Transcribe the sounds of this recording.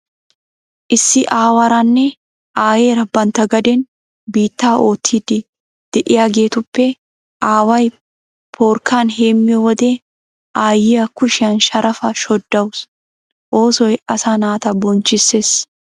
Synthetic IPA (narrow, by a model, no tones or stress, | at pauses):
ʔɪsːɪʔaːwɐɾanːɛ | ʔaːjeːɾɐbːɐnt̪ɐɡɐd̪ɛn | biːt̪ːaːʔo̞ːt̪ʰːiːd̪ɪ | d̪̥ɛʔɪjaːɡe̞ːt̪ʊpːɛ | ʔaːwɐj | pʰoːɾkːaːnɦeːmːɪjɔwɔd̪e | ʔaːjːɪjɐkʊʃɪjɐnʃɐɾɐfɐʃɔd̪ːɐws | ʔo̞ːsɔjɐsaːnaːt̪ɐbɔnt͡ʃːɪsːeːs